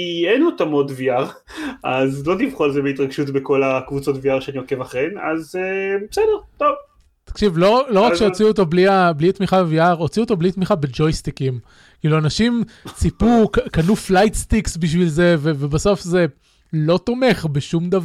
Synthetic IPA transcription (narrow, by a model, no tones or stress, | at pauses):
ienot̪amodviaʁ | azlotivχolzebeit̪ʁaɡʃutbeko̞lakvut͡so̞t̪viaʁʃeanioke̞vaχʁena̰zebesɛdeʁt̪ov | t̪ḁkʃivlolo̞ʁakkʃeot͡siuot̪o̞bliablit̪miχaviaʁo̞t͡siuot̪o̞blit̪miχabe̞d͡ʒo̞jst̪ikim | kiːluanaʃimt͡sipukkanuflajt̪st̪iksbiʃ̬vilze̞vevebaso̞fze̞ | lo̞t̪o̞me̞χbeʃumd̪av